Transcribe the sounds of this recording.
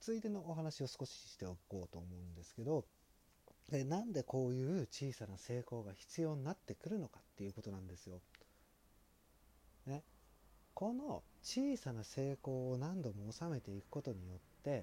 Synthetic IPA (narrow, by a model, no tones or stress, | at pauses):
t͡sɨit̪e̞no̞ːɦanaɕio̞sɨ̥ko̞ɕi̥ɕi̥t̪e̞oko̞ːt̪o̞ːmo̞ɯ̟̃nd̪e̞sɨ̥ke̞d̪o̞ | enãnd̪e̞ko̞ːjɯ̟ːt͡ɕiːsanase̞ːko̞ːɡaçi̥t͡sɨjo̞ːɲ̟inat̪ːe̞kɯ̟ɾɯ̟no̞kḁt̪ːe̞jɯ̟ːko̞t̪o̞nãnd̪e̞sɨjo̞ | ne | ko̞no̞t͡ɕiːsanase̞ːko̞ːnãnd̪o̞mo̞ːsame̞t̪e̞ikɯ̟̥ko̞t̪o̞ɲ̟ijo̞t̪ːe̞